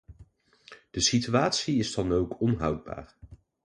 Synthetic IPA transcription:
d̥əsityaːtsiɪzdɑnowkʰɔnɦʌwd̚ba̰ːɹ

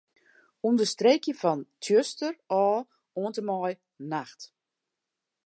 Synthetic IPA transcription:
umdəstrekjəfɔntʰjøstərɔː | oəntəmɔj | naxt

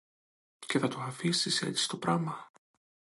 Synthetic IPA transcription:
ce̞θɐt̪oɐfisise̞̰t̪si̥st̪o̞pɾɐmɐ

